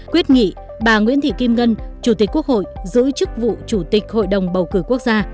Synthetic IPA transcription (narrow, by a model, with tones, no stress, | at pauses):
kwi˦˥ət̚ŋḭ˧˨ | ɓaː˨˩ŋwḭ˧˥ənt̪ʰḭ˧˨ki˧mŋə˧nt͡ɕu˧˩t̪i˨˩k̟̚ku˦˥ək̚ho̰˧˨jzɨ̰˧˥əjt͡ɕɨ˦˥k̚vṵ˧˨t͡ɕu˧˩t̪ï˨˩k̟̚ho̰˧˨jɗə˨˩wŋ͡mɓə˨˩wkɨ˧˩ku˦˥ək̚zaː˧